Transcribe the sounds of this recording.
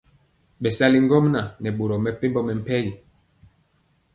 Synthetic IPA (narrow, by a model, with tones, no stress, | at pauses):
ɓɛ˨sa˦li˦ŋ̩˦ɡɔ˦mna˨nɛ˨ɓo˨ɾɔ˨mɛ˨pe˦mbɔ˦mɛ˨m̩˦pɛ˦ji˨